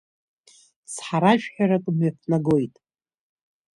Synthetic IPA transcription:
sħaɾaʒᶣħᶣaɾakʼmɥafnaɡo̞jtʼ

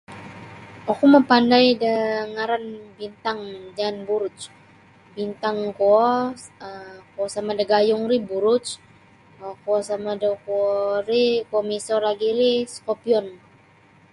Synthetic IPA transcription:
ɔkuməpandajdəŋaɾanbint̪aŋd͡ʒanbuɾʊt͡ʃ | bint̪aŋkoɔəkoɔsamadəɡajʊŋɾibuɾʊt͡ʃ | koɔsamadəkuɔɾikomisɔraɡiɾiskopiɔn

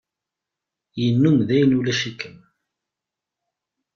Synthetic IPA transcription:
jənːumðæjənulæʃikəm

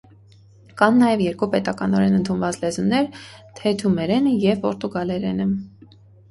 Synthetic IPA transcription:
kɑnːɑjɛvjɛɾkupɛt̪ɑkɑnɔɾɛnənt̪ʰunvɑt͡slɛzunːɛɾt̪ʰɛt̪ʰumɛɾɛnəjɛvpɔɾt̪uɡɑlɛɾɛnə

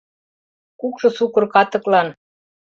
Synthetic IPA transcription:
kukʃɤ̆sukɤ̆rkɑt̪ɤ̆klɑn

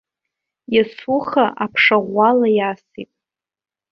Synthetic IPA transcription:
jasʊχaʔapʰʂaʁʷalajasitʼ

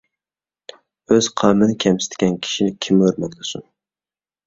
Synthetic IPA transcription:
øz̥qʰɑmɨnɪkʲʰɛmsɪ̥t̪ɡʲɛnkʲʰi̥ʃinɪkʲʰimøɾmɛkʲd̪ʊsun

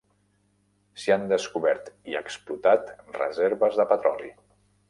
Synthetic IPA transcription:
siand̪əskuβɛɾt̪iə̰ksplut̪at̪rə̰zeɾβəzðəpət̪ɾɔlḭ

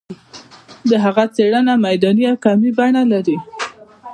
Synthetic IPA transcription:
d̪əɦaɣat͡seɽənamajd̪ɑniakɑmibaɳalaɾi

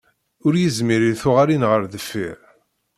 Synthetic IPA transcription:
ʊɾjəzmiɾiθʊʁaɾinʁəɾðəfːḭɾ

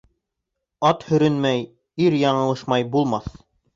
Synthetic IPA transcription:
ɑt̪hɵ̆ɾɘnmæj | iɾjɑɴɤ̆lˠɤ̆ʃmɑjbulˠmɑθ

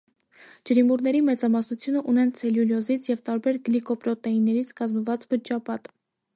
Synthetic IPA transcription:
d͡ʒəɾimuɾnɛɾimɛt͡sɑmɑsnut͡sʰjunəʔunɛnt͡sʰɛljuljɔzit͡sʰjɛvt̪ɑɾbɛɾɡlikɔpɾɔt̪ɛinːɛɾit͡sʰkɑzməvɑt͡sbət͡ʃːɑpɑt̪

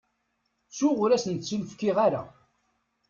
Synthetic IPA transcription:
t͡sːʊʁʊɾæsənt͡sːulfkːiʁaɾa

